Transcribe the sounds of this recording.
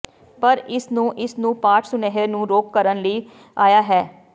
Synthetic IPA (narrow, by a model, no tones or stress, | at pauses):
pəɾɪsnũːʔɪsnũːpaːʈʰsʊneɦənũːɾoːkːəɾənləiː | aːjaːɦɛː